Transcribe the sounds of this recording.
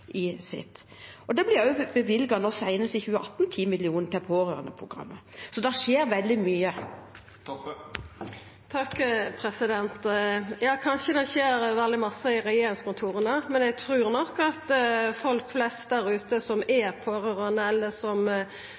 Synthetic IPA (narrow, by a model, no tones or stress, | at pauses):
ʔɪsɪ̰t̪ː | ɔd̪ɛblɪɑʉbəʋɪlɡɑnɔʁsæɪnəsɪçʉːɑʔɑt̪n̩t̪ʰiːmɪlɪuːnt̪ɛlpʰoːɾøːʁənəpʰʁʊɡɾɑ̰mːəsɔd̪ɛʃeːɾʋɛld̪ɪmyːə | t̪ʰɑkːpʰɾɛsɪd̪ɛnt̪jɑːkʰɑnʃəd̪ɛçeːɾʋɛld̪ɪmɑsːəɪʁɛjeːɾɪŋskʊnt̪ʰuːɾənəmɛnɛɡt̪ʰɾʉːʁnɔkːɑt̪fɔlkflɛst̪̚d̪æɾʉːt̪əsɔmɛpʰoːɾøːʁənəɛlːəsɔm